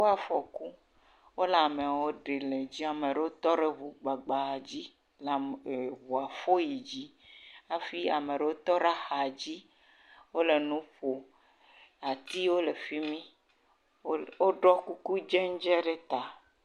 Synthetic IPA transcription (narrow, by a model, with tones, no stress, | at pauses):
wo˦a˨fɔ˨ku˦ | wo˦la˨me˨wo˦ɖe˨le˨d͡ʑi˦a˨me˨ɖe˨wo˦t̪ɔ˦ɖe˦βu˨ɡ͡ba˨ɡ͡ba˨d͡ʑi˦ | la˨βu˨a˨fo˦ji˨d͡ʑi˦a˦fi˦a˨me˨ɖe˨wo˦t̪ɔ˦ɖa˦xa˨d͡ʑi˦ | wo˦le˨nũ˦ɸo˨ | a˨t̪i˦wo˦le˨fi˦mĩ˦ | wo˦ɖɔ˦ku˦ku˦d͡ʒɛ˦ŋ˦d͡ʒɛ˦ɖe˦t̪a˨